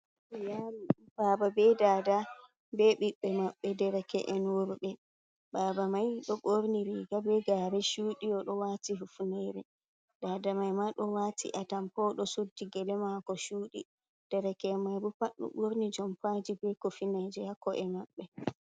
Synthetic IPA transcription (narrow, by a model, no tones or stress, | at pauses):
jaɾi | baːbabɛdaːda | bɛɓiɓːɛmaɓːɛdɛɾɛkɛ̰ʔɛnwoɾɓɛ | baːbamajɗɔɓoɾniɾɛɡabɛɡaɾɛʃuːɗiɔɗɔwaːtiɦufunɛɾɛ | daːdamajmaɗɔwaːtʰḭʔatampɔɗɔsudːiɡɛlɛmakɔʃuːɗi | d̥ɛɾɛkɛmajbupaɗːɔ̰ɓoɾnid͡ʒɔmpad͡ʒibɛkofinad͡ʒɛhakːɔʔɛmaɓːɛ